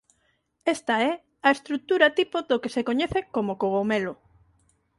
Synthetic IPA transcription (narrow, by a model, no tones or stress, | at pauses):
est̪aɛ | aest̪ɾuk̚t̪uɾɐt̪ipoðokesekoɲeɛθekomokoɣomelo